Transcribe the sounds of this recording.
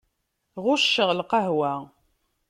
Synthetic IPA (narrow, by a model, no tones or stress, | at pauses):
ʁʊʃːəʁlqɑɦwæ